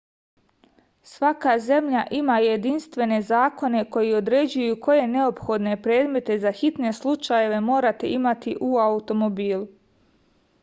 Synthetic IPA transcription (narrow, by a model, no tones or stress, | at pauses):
sʋakaze̞mʎaʔimaje̞d̪inst̪ʋe̞ne̞zaːko̞ne̞ko̞jio̞d̪ɾe̞d͡ʑujuko̞je̞ne̞o̞pxo̞d̪ne̞pɾe̞ːd̪me̞t̪e̞zaxit̪ne̞slˠut͡ʃaje̞ʋe̞mo̞ːɾat̪e̞̰imat̪iʔuaut̪o̞mo̞biːlu